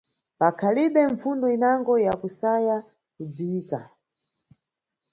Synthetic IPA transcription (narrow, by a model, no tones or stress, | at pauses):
pakʰaliɓɛɱfundɔinaŋɡɔjakusaja | kud͡ziwiːka